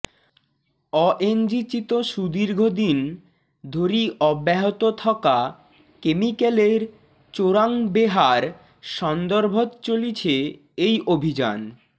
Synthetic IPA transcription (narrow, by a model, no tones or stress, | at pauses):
ɔʔend͡ʑit͡ɕit̪oʃud̪iɾɡʱod̪in | d̪ʱoɾiʔɔbːɛɦot̪ot̪ʰaka | kemikeleɾ | t͡ɕoɾaŋbeɦaɾ | ʃɔnd̪oɾbʱot̪t͡ɕolit͡ɕʰe | ejʔobʱid͡ʑa̰n